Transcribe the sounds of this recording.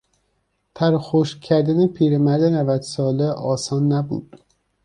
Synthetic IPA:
t̪ʰæɾxoʃcʰːæɾd̪ænepʰiːɾemæɾd̪enævæd̪sɒːleʔɒːsɒːnːæbṵːd̪̥

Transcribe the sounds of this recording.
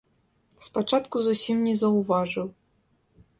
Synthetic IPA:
spat͡ʂat̪kuzusʲimnʲɛzɐwvaʐɨw

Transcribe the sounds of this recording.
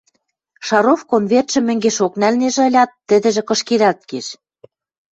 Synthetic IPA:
ʃɑɾofkonβert̪ʃɘ̆mɘ̆ŋɡeʃoknælneʒ̆ɤ̆lʲɑt̪ːɘ̆d̪ɘ̆ʒĕkɤ̆ʃkeɾɑt̪̚keʃ

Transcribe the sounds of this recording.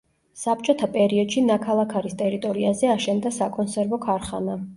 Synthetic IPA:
sap̚t͡ʃʼɔt̪ʰapʼɛɾiɔd̪̥ʃinakʰalˠakʰaɾist̪ʼɛɾit̪ʼɔɾiazɛaʃɛnd̪asakʼɔnsɛɾvɔkʰaɾχa̰na

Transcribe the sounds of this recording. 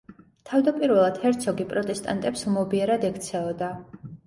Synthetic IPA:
t̪ʰavd̪apʼiɾvɛlˠad̪̥hɛɾt̪sʰɔɡipʼɾɔt̪ʼɛst̪ʼa̰nt̪ʼɛpsumɔbiɛɾad̪ɛkʰt̪sʰɛɔd̪a

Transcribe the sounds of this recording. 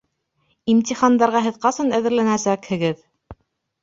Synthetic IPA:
imt̪ʲiχɑnd̪ɑɾʁɑɦɘ̆ðqɑsɤnæðɘ̆ɾlænæsækhɘ̆ɡɘð

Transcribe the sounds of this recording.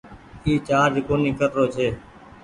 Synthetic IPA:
iːt͡ʃaːɾd͡ʒɪkoːnĩːkʰət̪ɾoːt͡ʃʰeː

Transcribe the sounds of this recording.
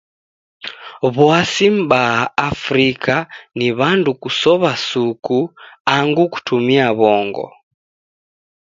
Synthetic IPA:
βwasim̩baaafɾikaniβandukusɔβasukuaŋɡuku̥tumiaβɔŋɡɔ̰

